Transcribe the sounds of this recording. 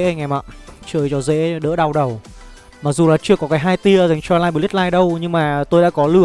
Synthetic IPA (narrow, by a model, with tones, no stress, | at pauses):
ŋɛ˨˩ma̰ː˧˨ʔt͡ɕəː˧˨˩jt͡ɕɔ˧˦zḛ˧˥ɗə̰ː˧˥ɗa˧wɗə˨˩w | maː˨˩k̚zu˨˩laː˨˩t͡ɕɨ˧əkɔ˨˦kaː˨˦jɦaː˧jt̪i˧əza˨˩ŋt͡ɕɔ˧laː˧jmɓlt̚laː˧jɗə˧wɲɨ˧ŋmaː˨˩t̪o˧jɗa̰ː˧˥kɔ˨˦lɨ˧˩ə